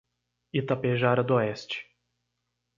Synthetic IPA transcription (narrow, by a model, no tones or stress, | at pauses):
it̪apeʒaɾɐd̪oɛst͡ʃɪ̥